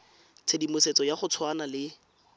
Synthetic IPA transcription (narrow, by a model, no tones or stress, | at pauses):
t͡sʰedimʊset͡sɔjaχʊt͡sʰwanalɪ